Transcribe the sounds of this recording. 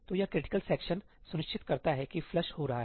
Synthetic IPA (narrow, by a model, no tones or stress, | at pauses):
t̪oːjakɾɪʈɪ̥kəlsɛːkʃən | sʊnɪʃt͡ʃʰɪt̪kɐɾt̪aɦɛkiflɐʃhoɾɐɦaɦɛː